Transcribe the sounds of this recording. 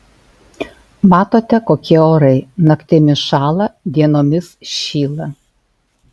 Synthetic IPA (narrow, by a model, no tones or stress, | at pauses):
mɑːt̪oːt̪ʲɛkoːkʲiɛoːɾɐɪnɐkt̪ʲɛmʲɪʃɑːlˠɐd̪ʲiɛnoːmʲɪsʃʲiːlˠɐ